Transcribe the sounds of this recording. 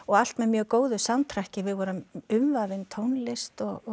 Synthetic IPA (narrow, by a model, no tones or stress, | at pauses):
ɔɣal̥t̪mɛðmjœːɣkoːwðʏsamt̪ʰɾahcɪvɪðvɔɾʏmʏmvavɪnt̪ʰoːwnlɪst̪ɔɣ